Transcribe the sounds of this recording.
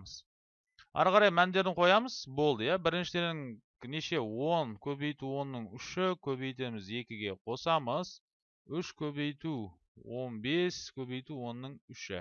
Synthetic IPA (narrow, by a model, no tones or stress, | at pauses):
əz̥ | ɑ̰ɾʁɑɾɑjmænd̪e̞ɾɪɴqʰo̞jɑməz̥bo̞lˠd̪əjɑbɪɾɪnʃɪd̪e̞ɾd̪ɪŋ | neʃe̞wo̞nkʲʰɵβe̞jt̪uwo̞nːəɴʏʃɪkʲʰɵβe̞jt̪e̞mɪze̞kʲɪɡʲe̞qʰo̞sɑməz̥ | ʏʃkʲʰɵβe̞jt̪u | wo̞nbe̞skʲʰɵβe̞jt̪uwo̞nːəɴʏʃɪ̰